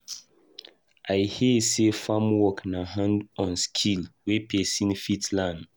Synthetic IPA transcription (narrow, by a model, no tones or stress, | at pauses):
ʔajhesefamwɔknaɦãndɔ̃nskʰilwepʰesĩnfitlãnd